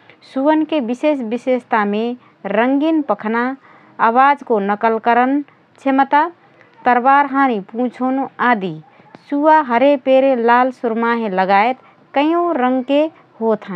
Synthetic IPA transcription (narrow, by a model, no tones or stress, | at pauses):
suənkebisesbisest̪ame | ɾəŋɡinpəkʰna | əwad͡ʒkonəkəlkəɾən | t͡ʃʰemət̪a | t̪əɾbaɾɦaːñipũːt͡ʃʰonaːd̪i | suaɦəɾepeɾelaːlsuɾmaɦẽləɡaet̪ | kəĩõɾə̃ŋɡke | hot̪ɦə